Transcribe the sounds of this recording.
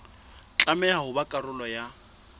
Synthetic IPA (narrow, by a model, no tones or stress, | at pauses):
t͡ɬʼamɛaɦʊbakʼarʊlɔja